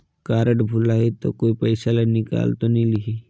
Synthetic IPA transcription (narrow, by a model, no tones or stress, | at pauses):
kaːɾəʈbʱulaːit̪o̰koːipəɪsalanɪka̰ːlt̪onilɪɡi